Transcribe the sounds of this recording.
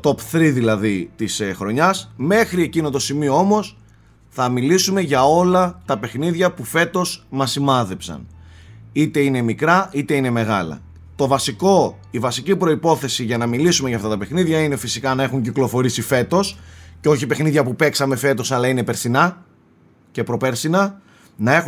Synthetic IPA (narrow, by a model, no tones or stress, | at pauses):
t̪o̞pθɾiðilɐðit̪isxɾo̞ɲɐsme̞xɾie̞cino̞t̪o̞simioo̞mo̞s | θɐmilisume̞ʝɐo̞lɐt̪ɐpe̞xniðʝɐpufe̞t̪o̞smɐsimɐðe̞psɐ̰n | it̪e̞ine̞mikɾɐit̪e̞ine̞me̞ɣɐ̰lɐ̰ | t̪o̞vɐsiko̞ | ivɐsicipɾoipo̞θe̞siʝɐnɐmilisumeʝɐːft̪ɐt̪ɐpe̞xniðʝɐinefisikɐnɐe̞xuɲciklo̞fo̞ɾisife̞t̪o̞sceo̞çipe̞xniðʝɐpupe̞ksɐme̞fe̞t̪o̞sɐlɐine̞pe̞ɾsinɐ | ce̞pɾo̞peɾsinɐ | nɐe̞x